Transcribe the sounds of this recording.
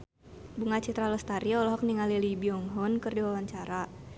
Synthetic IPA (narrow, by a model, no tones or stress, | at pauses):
buŋat͡ʃit̪ɾaləst̪aɾiɔlɔɦɔk̚niŋalilibiɔŋɦɔnkɨrdiwawaɲt͡ʃaɾa